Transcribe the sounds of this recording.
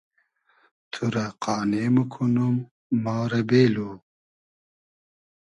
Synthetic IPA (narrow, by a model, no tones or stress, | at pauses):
t̪ʰuɾɐqɑːneːmukʰunumː | aːɾɐbeːlu